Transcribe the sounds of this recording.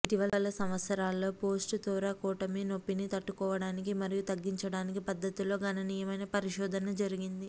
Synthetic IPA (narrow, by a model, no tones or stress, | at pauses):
iʈiʋɐlɐlɐsɐmʋɐt̪sɐɾaːlːo̞ːpoːsʈut̪ɔːɾakɔːʈɐmiːno̞pːinit̪ɐʈːukɔːʋɐɽaːnikimɐɾijut̪ɐɡːiɲt͡ʃɐɽaːnikipɐd̪ːɐt̪ilo̞ːɡɐnɐniːjɐmɐjnɐpɐɾiʃɔːd̪ʱɐnɐd͡ʒɐɾiɡind̪i